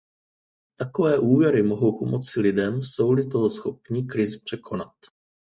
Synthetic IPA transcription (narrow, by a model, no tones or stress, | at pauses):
t̪ako̞vɛːʔuːvjɛɾɪmo̞ɦo̞wpo̞mo̞t͡sɪlɪdɛmso̞wlɪt̪osxo̞pɲikɾɪzpr̝̥ɛkʰo̞nat̪